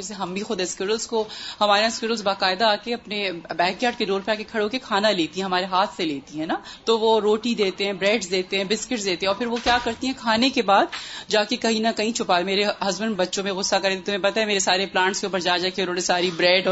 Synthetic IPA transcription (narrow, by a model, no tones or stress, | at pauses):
ɛseɦɐmbʱixʊd̪ɛskʊɾəlzkohɐmaːɾeãɪskʊɾəlzbaːkaːɪd̪aːkeɐpnebɛːkjaːʈkeɾoːɾpeaːkekʰɐɽõkekʰaːnaleːt̪iɦɛ̃ɦɐmaːɾeɦaːt̪ʰseleːt̪iɦɛ̃ːnat̪oʋoɾoːʈid̪eːt̪eɦɛ̃bɾɛːɖsd̪eːt̪eɦɛ̃bɪskɪʈsd̪eːt̪eɦɛ̃ɔːɾpʰɪɾʋokjaːkɐɾt̪iɦɛ̃kʰaːnekebaːd̪d͡ʒaːkekɐɦĩnɐkɐɦĩt͡ʃʰʊpaːemeːɾeɦɐzbənbɐtːʃõmẽɣʊsːakɐɾẽt̪et̪ʊmɦẽpɐt̪aɦɛmeːɾesaːɾeplãːɳʈskeuːpəɾd͡ʒaːd͡ʒaːkeʊnɦõːnesaːɾibɾɛːɖɔː